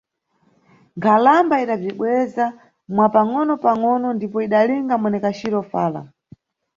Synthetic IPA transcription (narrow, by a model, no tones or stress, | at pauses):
ŋɡʰalambaiɗab͡ʐiɓwɛza | mwapaŋɔnɔpaŋɔnɔndipɔiɗaliŋɡamwɛnɛkat͡ʃiɾɔfaːla̰